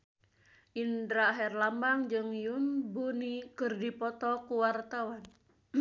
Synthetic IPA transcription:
ʔind̪ɾaɦɛrlambaŋd͡ʒɨŋjunbunikərdipɔt̪ɔkuwart̪awan

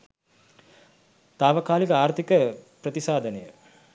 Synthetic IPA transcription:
t̪aːʋɐkaːlikəaːɾt̪ikəprət̪isaːd̪ʱɐnejə

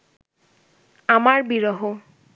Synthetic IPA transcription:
amaɹbiɹɔɦo

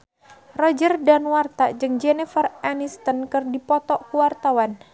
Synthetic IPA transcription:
rɔd͡ʒərdanwart̪ad͡ʒɨŋd͡ʒɛnɛfəranist̪ənkɨrdipɔt̪ɔʔkuwart̪awan

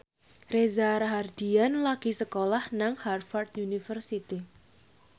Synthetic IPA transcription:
rezaɾaɦard̪̥ianlaɡ̥i̤səkolahnaŋharfart̪̚junifərsit̪i

